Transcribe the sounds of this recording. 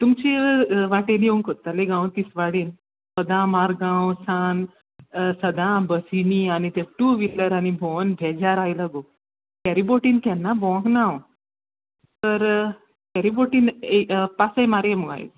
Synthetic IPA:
t̪umt͡ɕiʋaʈeneuŋkot̪ːaleɡãwt̪isʋaɽiːn | səd̪ãmaɾɡãwsan | səd̪ãbəsinianit̪eʈuːʋilːəɾañibʱɔnbʱɛd͡ʑaɾajləɡo | kɛɾiboʈiːnkɛ̃nːabɔ̃ɡnaw | t̪əɾ | kɛɾiboʈiːnepasajmaɾmuɡa̰j̰t̪

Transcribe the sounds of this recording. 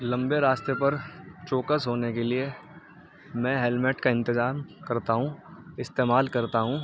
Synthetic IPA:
lɐ̃mbeɾaːst̪epɐɾt͡ʃoːkəsɦoːnekelie | mɛ̃ːɦɛlmeʈkaɪ̃nt̪ɪzaːmkɐɾt̪aɦũɪst̪eːmaːlkɐɾt̪aɦũː

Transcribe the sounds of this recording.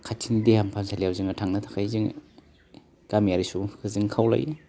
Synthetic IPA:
kʰatʰindehampʰamsʰalijawziŋatʰaŋnatʰḁkʰajziŋ | kamijaɾisukʰɯzɯŋkʰawla̰j

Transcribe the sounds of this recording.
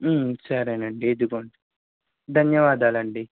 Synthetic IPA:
sɐɾenɐɳɖied̪uɡoɳɖi | d̪ʱɐnjɐʋaːd̪aːlɐɳɖi

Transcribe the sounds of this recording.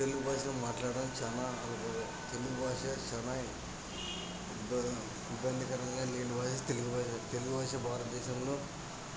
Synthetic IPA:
t̪eluɡubaːʃɐmːaːʈlaːɽɐmt͡ʃaːnaɐɐ | t̪eluɡubʱaːʂɐt͡ʃɐna | b | ibːɐnd̪ikɐɾɐŋɡaːleːnubʱaːʃɐt̪eluɡubaːʃɐt̪eluɡubaːʂɐbʱaːɾɐt̪d̪ɛːʃɐmloː

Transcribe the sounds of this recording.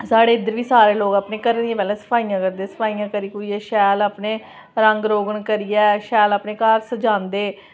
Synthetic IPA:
saːɽeːɪd̪əɾʋiːsaːɾeːloːɡaːpneːkəɾniãːbɛːlɛːsə̥pʰaːiːjãːkəɾd̪eːsə̥pʰaːijãːkəɾiːkoːiːɛːʃɛːlaːpneː | ɾəŋɡɾoːɡəɳkəɾiːɛːʃɛːlaːpnẽːkaːɾsəd͡ʒãːnd̪eː

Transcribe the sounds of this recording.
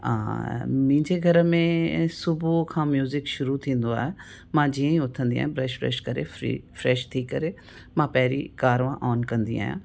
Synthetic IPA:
ã̰ːmĩːɲd͡ʒeɡʱɐɾmẽsʊbukʰãːmjuːzɪkʃʊɾut̪ʰĩːnd̪oa̰ːɦe | mãːd͡ʑiə̃ĩʊt̪ʰə̃nd̪ĩa̰ːjẽbɾɛːʃfɾɛ̰ːʃkɐɾḛḭfɾɛːʃt̪ʰiːkːɐɾe | mãpɛɦɾḭkaːɾʋãʔɔːnkɐ̃nd̪ḭa̰ːjã̰ː

